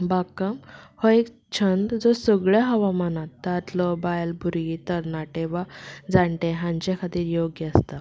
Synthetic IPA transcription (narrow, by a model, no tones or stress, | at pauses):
bakəmhoek | t͡ɕʰənd̪d͡zɔsəɡɭjaɦəʋamanat̪ːat̪lɔbajlbʱuɾit̪əɾnaʈeʋad͡zaɳʈeɦãɲt͡ɕekʰat̪iːɾjoɡjəəst̪a